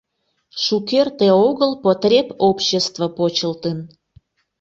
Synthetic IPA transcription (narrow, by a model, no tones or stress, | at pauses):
ʃukert̪eoɣəlpot̪rʲepopɕest̪vəpot͡ɕəlt̪ən